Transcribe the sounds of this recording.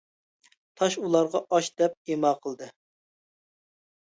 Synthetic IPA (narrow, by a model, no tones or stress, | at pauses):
t̪ʰɑʃulˠɑɾʁɑʔɑʃd̪ɛp̚emɑːqʰəlˠd̪ɨ